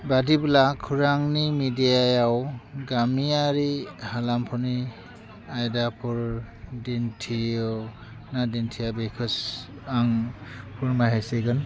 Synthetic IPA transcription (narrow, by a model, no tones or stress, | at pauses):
badiblakʰuɾaŋnimidijajawɡamiaɾihalampʰɔni | ajdapʰuɹ | dintʰijɯ | nadintʰijabekʰɯs | aŋpʰuɹmaɦeseɡɯn